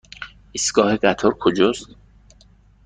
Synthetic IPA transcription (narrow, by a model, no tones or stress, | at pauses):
isɡ̥ɒːheɢæt̪ʰoɾkʰod͡ʒost̪